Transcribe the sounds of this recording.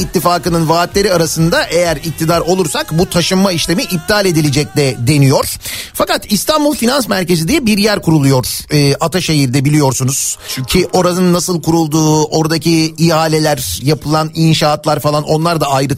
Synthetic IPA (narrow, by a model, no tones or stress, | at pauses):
it̪ʰːifaːkɯnɯnvaːt̪lʲe̞ɾiaɾasɯnd̪aʔe̞jæɾic̚t̪ʰid̪aɾo̞lˠuɾsakbut̪ʰaʃɯnmaiʃlʲe̞miʔib̚d̪ʰalʲe̞d̪ilʲed͡ʒɛc̚d̪ɛd̪e̞nijo̞ɾ̥fakat̪ist̪ʰanbulˠfinansmæɾce̞zid̪ijɛbiɾjæɾkʰuɾulˠujo̞ɾ̥ɯːʔat̪ʰaʃe̞ɦiɾd̪ɛbilʲijo̞ɾsunuz̥t͡ʃʰcʰiʔo̞ɾanɯnːasɯlˠkuɾulˠd̪uːo̞ɾd̪acʰiiaːlʲe̞lʲæɾjapʰɯlˠaninʃaːt̪lˠaɾfalˠano̞nlˠaɾd̪aajɾɯ